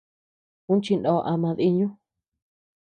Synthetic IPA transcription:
ũ˦nt͡ʃi˧ndõ˧ʔa˧mã˧ði˧˦ɲũ˦

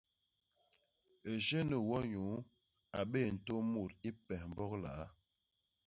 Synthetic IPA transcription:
e˨ʒe˦nə˨wɔ˦ɲu˨˦ | a˨ɓe˦˨n̩˨to˦mo˦˨ɾi˦pɛ˨hm̩˨bɔ˦kla̰˨˦

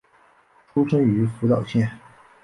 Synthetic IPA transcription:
ʈ͡ʂʰu˥ʈ͡ʂʰə˥ŋy˧˥fu˧˥t̪ɑ˨˩ʊɕjɛ˥˩n

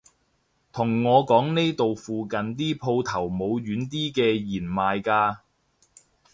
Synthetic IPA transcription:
t̪ʰʊ˨˩ŋːɔː˨˧kɔː˨˥ŋne˥jt̪o˨wfuː˨˧kɐ˨nt̪̬iː˥pʰo˧wt̪ʰɐ˨˩wmo˨˧wjyː˨˥nt̪̬iː˥kɛː˧jiː˨˩nmaː˨jkaː˧

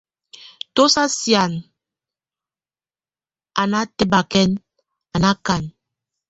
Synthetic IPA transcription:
to˦sa˦sja˨n | a˨na˦tə˦ba˨kɛ˦n | a˨na˦ka˨n

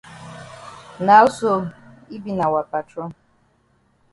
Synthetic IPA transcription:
na˨˦ɔ˦so˦i˦bi˦na˨wa˨pa˨tɾɔ˦

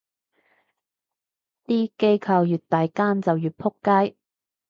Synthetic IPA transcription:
t̪iː˥ke˥jkʰɐ˧wjyː˨t̚t̪ːaː˨jkaː˥nt͡sɐ˨wjyː˨t̚pʰʊ˥kːaː˥j

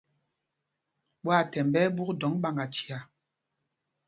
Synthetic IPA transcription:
ɓwa˦˨tɛ˨mbɛ˦bu˦kdɔ˨˦ŋɓa˨ŋɡa˨tʰi˨a˨

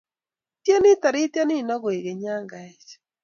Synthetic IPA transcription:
tje˦nɪ˦ta˨ɾɪ˦tja˦nɪ˦˨nɔ˦ɣwe˨ɣe˨ɲa˦ŋɡa˨e˦t͡ʃ

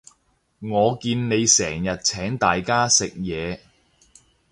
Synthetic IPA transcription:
ŋɔː˨˧kiː˧nne˨˧jsɛː˨˩ŋjɐ˨t̚t͡sʰɛː˨˥ŋt̪aː˨jkaː˥sɪ˨k̚jɛː˨˧

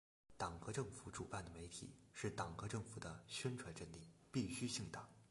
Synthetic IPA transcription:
t̪ɑ˨˩ŋkɤ˧˥ʈ͡ʂɤ˥˩ŋfu˧˥ʈ͡ʂu˨˩pa˥˩nd̪ə˩me˧˥ɪt̪ʰḭ˨˩˦ʂɻ̩˥˩t̪ɑ˨˩ŋkɤ˧˥ʈ͡ʂɤ˥˩ŋfu˨˩d̪ə˦ɕɥɛ˥nʈ͡ʂʰwa˧˥nʈ͡ʂə˥˧nli˥˩pi˥˩ɕy˥ɕi˥˩ŋt̪ɑ˨˩˦ŋ

